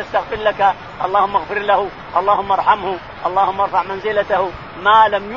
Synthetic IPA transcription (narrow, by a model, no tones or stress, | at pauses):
ast̪axfɪɾlaka | ʔɑlˤːɑːhʊmːʔɑɣfɪɾlahʊ | ʔɑlˤːɑːhʊmːaʔɑɾˤħamhʊ | ʔɑlˤːɑːhʊmːaʔɑɾˤfɑʕmanzɪlat̪ah | maːlamj